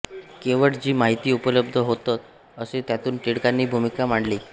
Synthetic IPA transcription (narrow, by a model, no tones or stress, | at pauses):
keʋəɽd͡ʑiːmaɦit̪iːupələb̚d̪ʱəɦot̪at̪ | əset̪jat̪uːnʈ̪iɽkanːiːbʱumikamaɳɽliː